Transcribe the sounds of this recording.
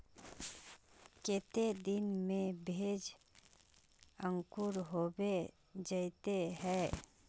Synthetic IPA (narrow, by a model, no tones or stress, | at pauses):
ket̪ed̪ɪnmẽbʱed͡ʒ | ə̃ŋkʊɾɦobe | d͡ʒəit̪eɦɛː